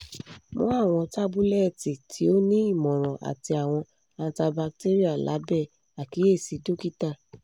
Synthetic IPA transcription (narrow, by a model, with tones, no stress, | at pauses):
mõ̰˦a˦˨w̃ɔ̃˧ta˦bu˦lɛ˦˨ti˨tʰi˨˦o˦nĩ˦i˦˨mɔ̃˨ɾ̃ɔ̃˨ʔa̰˨ti˧a˨w̃ɔ̃˧ | a˧ta˧ba˧k̚te˦ɾi˦a˦˨la̰˨˦bɛ˦˨ | a˨ki˨˦e˦˨si˨˦do˦ki˦ta˦˨